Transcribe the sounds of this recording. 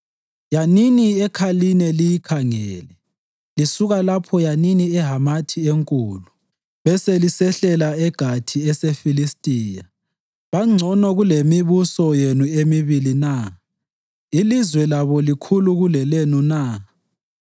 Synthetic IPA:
janiniɛkʰalinɛlijikʰaŋɛːlɛ | lisuɣalapʰɔjaniniɛɦamatʰieŋkʼuːlu | βɛselisɛɬɛlaɛɡ̥ʱatʰiɛsefilistʼiːja | βaŋ͡ǀʱɔnɔɣulemiβusɔjenuemiβilina | ilizwɛlaβɔlikʰuluɣulɛlenuna

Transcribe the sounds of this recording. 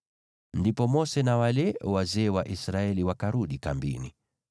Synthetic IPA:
ndipɔmɔsɛnawalɛwazɛːwaʔisɾaɛliwakaɾuɗikambḭnḭ

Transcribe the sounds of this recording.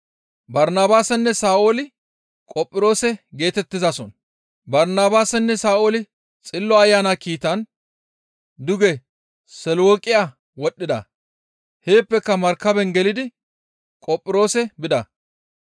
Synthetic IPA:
bɐɾnaːbaːsɛnːɛsaːʔolɪ | kʼɔpʼːɪɾo̞ːsɛɡe̞ːt̪ɛt̪ːɪzɐsɔn | bɐɾnaːbaːsɛnːɛsaːolɪ | t͡sʼɪlːɔɐjːaːnakiːt̪ɐn | d̪ʊɡɛ | sɛlwoːkʼɪja | wɔɗːɪd̪ɐ̰ | he̞ːpːɛkːɐmɐɾkːɐbɛnɡɛlɪd̪ɪ | kʼɔpʼːɪɾo̞ːsɛbɪd̪ɐ

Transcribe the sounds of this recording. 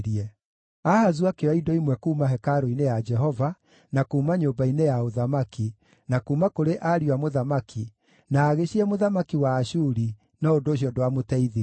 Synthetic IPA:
ɾiɛ | ahazuakeaidɔimwɛkuːmaɦɛkaɾoinejad͡ʒɛɦɔva | nakuːmaɲobainejaoðamaki | nakuːmakoɾeʔaɾiwamoðamakʰi | naːɣeɕiɛmoðamakiwaːʃuɾi | nɔodoːɕiɔdowamotɛiði

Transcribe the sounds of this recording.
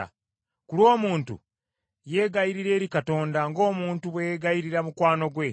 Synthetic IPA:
kulwo̞ːmuːntṵ | je̞ːɡajiɾiɾe̞ːɾikato̞ːndaŋɡo̞ːmuːntuβwejɡajiɾiɾamukwaːno̞ɡwe̞

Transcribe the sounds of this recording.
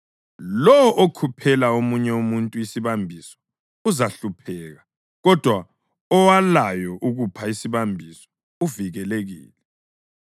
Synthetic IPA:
lɔwɔʔokʰupʰɛlaomuɲɛumuntʼuisiβambʱisɔ̥ | uzaɬupʰɛːɣa | ɣɔd̥ʱwa | ɔwalajɔʔuɣupʰaisiβambʱisɔ̥ | uviɣɛleɣḭːlɛ

